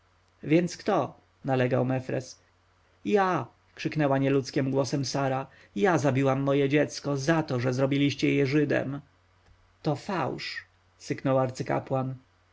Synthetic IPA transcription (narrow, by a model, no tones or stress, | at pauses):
vʲjɛnt̪skt̪ɔ | nalɛɡawmɛfɾɛ̰s | ja | kʂɘknɛwaɲɛlut̪skʲɛmɡwɔsɛmsaɾa | jazabʲiwamːɔjɛd͡ʑɛt̪skɔzat̪ɔʐɛzɾɔbʲilʲiɕt͡ɕɛjɛʐɘd̪ɛ̰m | t̪ɔfawʂ | sɘknɔwaɾt̪sɘka̰pwan